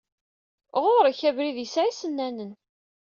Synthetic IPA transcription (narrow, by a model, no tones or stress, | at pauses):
ʁoɾæçævɾiðjəsʕisənːænən